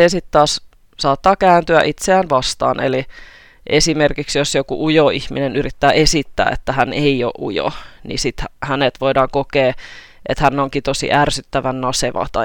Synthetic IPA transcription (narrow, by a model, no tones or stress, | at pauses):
esit̪t̪ɑːs | sɑːt̪ːɑːkæːnt̪yæ̰ʔit̪seæːnʋɑst̪ɑ̰ːnḛli | ʔesimerkiksjosjokuʔujoihminenyrit̪ːæːesit̪ːæ̰ːḛt̪ːæɦæneio̰ʔʔujo̰nḭsit̪hæhænet̪ʋoidɑːŋkokeː | ʔḛt̪hænːoŋkit̪osḭʔærsyt̪ːæʋænnɑseʋɑ̰t̪ɑ